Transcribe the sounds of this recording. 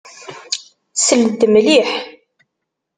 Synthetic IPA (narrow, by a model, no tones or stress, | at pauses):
səlt̪ːəmliħ